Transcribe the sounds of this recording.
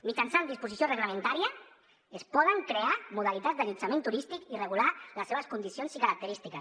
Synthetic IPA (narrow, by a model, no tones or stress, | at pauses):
mit͡ʃansand̪ispusisjorəɣləment̪aɾiə | espɔð̞əŋkɾeamuðalit̪ad͡zzd̪əʎit͡samẽnt̪uɾist̪ikireɣulaləseβəskund̪isionsikəɾak̚t̪əɾist̪ikəs